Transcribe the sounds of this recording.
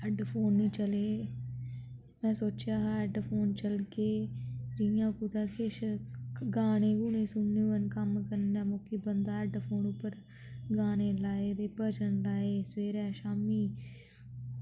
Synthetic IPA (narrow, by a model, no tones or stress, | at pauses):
ɛɖpʰoːnːĩːt͡ʃəleː | mɛ̃ːsoːt͡ʃjaːɦaːɛɖpʰoːnt͡ʃəlkeːɾijãːkuːt̪aːkeʃ | ɡaːneːɡuːnẽːsʊnːeːənkəmkəɾnaːmʊkiːbənd̪aːɛɖpʰoːnʊpːəɾ | ɡaːneːlaːeːt̪eːpəd͡ʒənlaːeːsʋeːɾɛːʃaːmiː